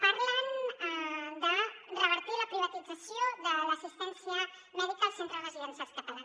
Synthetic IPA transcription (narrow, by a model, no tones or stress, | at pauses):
paɾlan | d̪ərrəβəɾt̪ilakɾiβat̪idd͡zasjoðəlasust̪ensja | noðut̪asent̪ɾalaziensast̪at̪alan